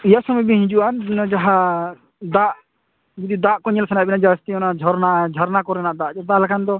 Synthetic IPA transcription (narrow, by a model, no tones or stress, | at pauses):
ijasɔmɔjbiɦĩɲd͡ʒuʔannd͡ʒaɦa | d̪aʔ | d͡ʒid̪id̪aʔkɔɲɛlsanabɛnad͡ʒast̪iɔnad͡ʒʱɔɾnad͡ʒʱɔɾnakɔɾɛnaʔd̪aʔd͡ʒɛd̪alakʰand̪ɔ